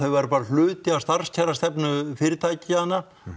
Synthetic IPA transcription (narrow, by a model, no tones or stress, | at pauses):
θœɥvɛɾpaːɾal̥lʏːt̪ɪast̪ar̥scʰɛrast̪ɛpnʏfɪɾɪt̪ʰaːjcɪanːa